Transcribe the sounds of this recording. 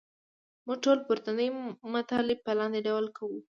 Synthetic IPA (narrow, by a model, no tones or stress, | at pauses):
muɡʈolpʊɾt̪anəjmat̪ɑlɪb̚pəlɑnd̪eɖawlkʰawu